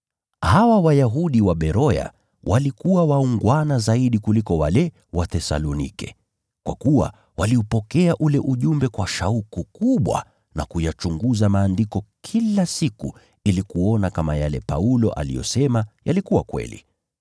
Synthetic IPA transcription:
hawawajaɦuɗiwaɓɛɾɔja̰ | wʔalikuwawauŋɡwanazaiɗikulikɔwalɛ | watɛsa̰lɔnḭkɛ̰ | kwa̰kuwa̰ | waliupɔkɛaʔulɛʔuʄumbɛkwaʃaukukuɓwa̰ | na̰kujat͡ʃuŋɡuzamaːndikɔkʰilasiku | ilikuɔnakamajalɛ̰pa̰ulɔʔa̰lḭjɔ̰sɛmajalikuwakwɛ̰lḭ

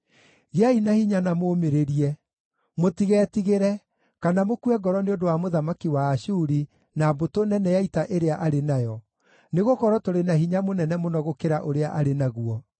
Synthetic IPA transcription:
ɣeainahiɲanamoːmeɾeɾiɛ | motiɣɛːtiɣeɾɛ | kanamokuɛɡɔɾɔneondowamoðamakiwaːʃuɾi | naːbotonɛnɛjaitaʔeɾeaʔaɾenajɔ | neɣokɔɾɔtoɾenaɦiɲamonɛnɛmonɔɣokeɾaʔoɾeaʔaɾenaɣuɔ

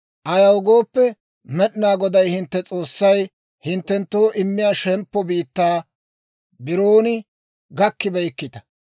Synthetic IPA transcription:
ʔɐjɐwʊɡoːpːɛ | mɛɗɪnaːɡɔd̪ɐjhɪnt̪ːɛt͡sʼo̞ːsːɐj | hɪnt̪ːɛnt̪ːoːʔɪmːɪjaːʃɛmpːɔbiːt̪ːaː | bɪɾoːnɪ | ɡɐkːɪbɛjɪkːɪt̪ɐ̥

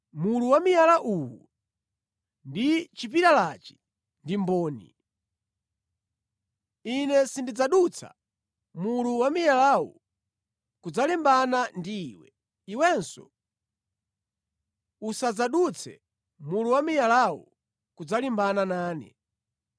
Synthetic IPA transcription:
muluwamijalaʔuwṵ | ndit͡ʃip̬iɾalat͡ʃi̥ | ndimbɔːnḭ | inɛsindid͡zaɗut͡sʰa̰ | muluwamijalawṵ | kud͡zalimbanandiːwɛ̰ | iwɛnsɔ̰ | usad͡zaɗut͡sʰɛ̰ | muluwamijalawṵ | kud͡zalimbananaːnɛ̰

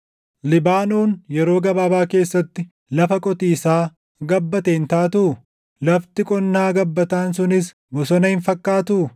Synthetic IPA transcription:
lɪbaːnuːnjɛɾo̞ːɡɐbaːbaːke̞ːsːɐt̪ːɪ | lɐfɐkʼɔt̪iːsaː | ɡɐbːɐt̪eːnt̪aːt̪ʊʊ | lɐft̪ɪkʼɔnːaːɡɐbːɐt̪aːns̬ʊnɪs | bɔsɔnɐhɪnfɐkːaːt̪ʊ

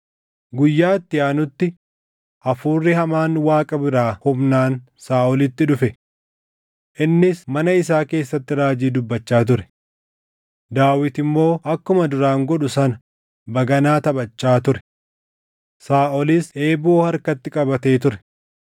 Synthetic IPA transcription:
ɡʊjːaːt̪ːɪjaːnʊt̪ːɪ | ʔɐfuːrːɪhɐmaːnwaːkʼɐbɪɾaːhʊbnaːn | saːʔɔlɪt̪ːɪᶑʊfɛ | ʔɪnːɪsmɐnɐɪsaːke̞ːsːɐt̪ːɪɾaːd͡ʒiːd̪ʊbːɐt͡ʃːaːt̪̬ʊɾɛ̥ | d̪aːwɪt̪ɪmːo̞ːʔɐkːʊmɐd̪ʊɾaːŋɡɔᶑʊsɐnɐ | bɐɡɐnaːt̪ɐbɐt͡ʃːaːt̪ʊɾɛ | saːʔɔlɪse̞ːboːhɐɾkɐt̪ːɪkʼɐbɐt̪e̞ːt̪ʊɾɛ̥

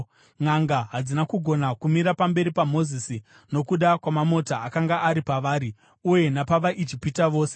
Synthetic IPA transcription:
ŋaŋɡaɦad͡zinakuɡʱo̞nakumiɾapambe̞ɾipamo̞zisi | no̞kuɗakwamamo̞taːkaŋɡaʔːɾipaʋaːɾi | uje̞napaʋaʔit͡ʃipitaʋo̞ːse

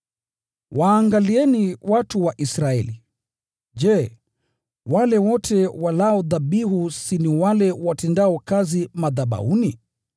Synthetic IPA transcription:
waːŋɡaliɛniwatuwaʔisɾaɛ̰li | d͡ʒɛ | walɛwɔtʰɛwalaɔðaɓiɦusiniwalɛwatɛndaɔkazimaðaɓa̰uni

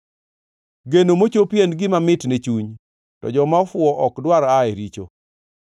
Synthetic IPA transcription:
ɡenomot͡ʃopjenɡɪmamɪtnet͡ʃuɲ | tɔ̰d͡ʒɔmafʊɔʔɔkdwaɾaeɾit͡ʃo̰

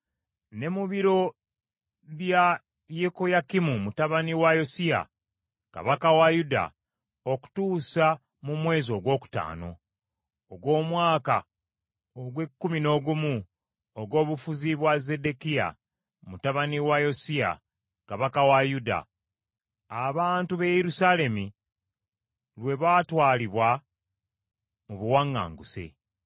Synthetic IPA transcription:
ne̞muβiɾo̞ | βja | jeko̞jakimumutaβaniwajo̞sia̰ | ka̰βakawajuda̰ | oku̥tuːsa | mumwe̞ːzo̞ɡwo̞ːku̥ta̰ːno̞̰ | oɡwo̞ːmwaːka̰ | oɡwe̞kːumino̞ɡumu | oɡo̞ːβufuziβwaze̞de̞kija̰ | mutaβaniwajo̞sia̰ | kaβakawajuda̰ | βaːntuβe̞jeɾusale̞mi | lwe̞βaːtwaːliβwa | muβuwaŋːa̰ːŋɡusḛ

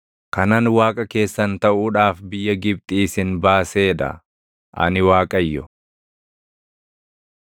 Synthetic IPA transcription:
kɐnɐnwaːkʼɐke̞ːsːɐnt̪ɐʔuːᶑaːfbɪjːɐɡɪb̚t̪ʼiːsɪnbaːse̞ːd̪ɐ̰ | ʔɐ̰nɪwaːkʼɐjːɔ

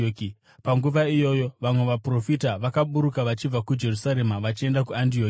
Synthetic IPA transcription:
oki | paŋɡuʋaijo̞jo̞ʋamwe̞ʋapro̞fitaʋakaɓuɾukaʋat͡ʃib͡vakud͡ʒe̞rusaɾe̞maʋat͡ʃie̞ndakuantioː

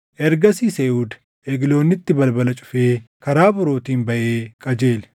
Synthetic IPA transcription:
ʔɛɾɡɐsiːseːʔuːd̪ | ʔɛɡlo̞ːnːɪt̪ːɪbɐlbɐlɐt͡ʃʼʊ̥feːkɐɾaːbʊɾo̞ːt̪iːnbɐʔeːkʼɐd͡ʒe̞ːl

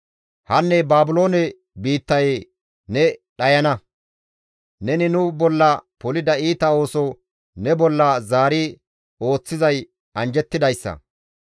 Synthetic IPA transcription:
hɐnːɛbaːbʊlo̞ːnɛ | biːt̪ːɐj | nɛɗɐjɐnɐ | nɛnɪnʊbɔlːɐpɔlɪd̪ɐiːt̪ɐo̞ːsɔ | nɛbɔlːɐzaːɾɪ | o̞ːt͡sːɪzɐj | ɐnd͡ʒɛt̪ːɪd̪ɐjsːɐ̰

